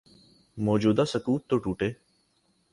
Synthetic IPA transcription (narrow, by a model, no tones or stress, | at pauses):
mɔːd͡ʒuːd̪aːsəkuːt̪ːoːʈuːʈeː